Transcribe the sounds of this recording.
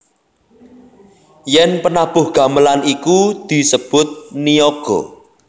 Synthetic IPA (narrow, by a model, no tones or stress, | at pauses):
jɛnpənab̥ʊ̤hɡ̥ä̤məlanikud̪̥i̤səb̥ʊt̪̚nioɡ̥ɔ̰